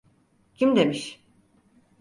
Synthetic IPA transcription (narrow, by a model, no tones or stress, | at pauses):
cʰimd̪emiʃ